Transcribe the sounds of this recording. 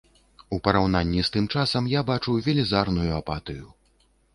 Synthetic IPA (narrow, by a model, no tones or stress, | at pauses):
upɐɾawnanʲːist̪ɨmt͡ʂasɐmjabat͡ʂuwvʲɛlʲizarnujuapat̪ɨju